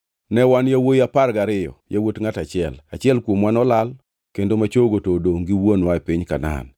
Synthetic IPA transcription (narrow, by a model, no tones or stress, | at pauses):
nɛwanjawojaparɡaɾɪjɔ̰jawotŋatat͡ʃɪɛlat͡ʃɪɛlkwomwanɔlal | kendomat͡ʃoɡotodoŋɡiwonwaɛpiɲkana̰n